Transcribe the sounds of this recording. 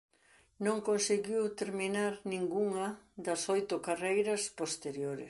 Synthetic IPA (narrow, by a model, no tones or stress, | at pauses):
nõŋkonseɣiwt̪eɾminaɾnĩŋɡuŋɐd̪ɐsojt̪ʊkarejɾɐspost̪eɾjoɾɪ̰